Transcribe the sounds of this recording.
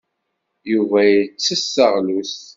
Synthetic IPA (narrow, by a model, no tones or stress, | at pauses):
juvæjət͡sːəsːəʁlus